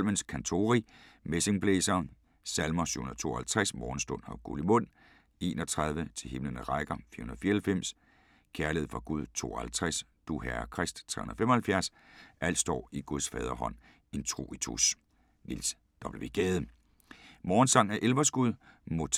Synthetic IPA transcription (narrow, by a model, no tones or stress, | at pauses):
lmənskʰænt͡sʰo̝ːʁimese̝ŋb̥leːsɐ | sælmɐsy̰hun̩ðˠt͡sʰo̝̰ːɒhælt͡sʰʁasmɒːn̩sd̥ɔ̽n̰hɑɡ̥ṵlimɔ̽n̰ | e̝̰ːnɒt͡sʰʁɑ̈ðˠʋət͡sʰe̝lɦe̝mlənəʁɑ̈ɪɡ̥ɐfiɐhunɐðˠfiːɐhælfem̰s | kʰæɐliheð̩ˠfʁɑ̈ɡ̥uð̞ˠt͡sʰo̝̰ːɒhælt͡sʰʁasd̥uhæɐkʰʁɛsd̥t͡sʰʁɛ̰ːhunɐfemɒ̽hælfjæɐsʔæl̰d̥sd̥ɒ̰ːiɡ̥uð̞ˠsfɛːð̞ˠɐɦɒ̽n̰ | e̝nt͡sʰʁṵːit͡sʰus | nils | d̥ɒb̥leʋiɡ̥ɛːð̩ˠ | mɒːn̩sɑ̈ŋ̰æɐʔelʋɐsɡ̥uðˠ | mo